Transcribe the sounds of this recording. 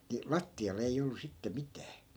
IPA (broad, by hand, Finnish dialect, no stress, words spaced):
ni lɑtːiɑl eij olːu sitːe mitæː